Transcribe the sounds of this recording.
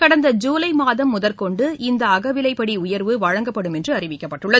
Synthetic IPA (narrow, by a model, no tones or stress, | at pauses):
kɐɽɐnd̪ɐd͡ʒuːlɐɪmaːðɐmːʊðɐlkɔɳɖɯɪnd̪ɐːɣɐʋɪlɐɪpːɐɽiʊjɐɾʋɯʋɐɻɐŋɡɐpːɐɽɯmɛndrɯɐrɪʋɪkːɐpːɐʈːɯɭːɐ